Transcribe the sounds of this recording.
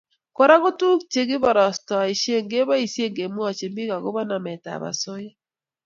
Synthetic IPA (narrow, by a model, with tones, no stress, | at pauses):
kɔ˦ɾa˦ɣʊ˦tu˦kt͡ʃe˨ɡɪ˦bɔ˨ɾɔ˨stɔ˨i˨ʃje˦˨ŋɡe˦bɔ˦i˨sje˦ŋɡe˨mwɔ˦˨t͡ʃe˨mbi˦ka˨ɡʊ˦bɔ˦na˨mɛ˨ta̰˨ba̰˨so˦jɔ˦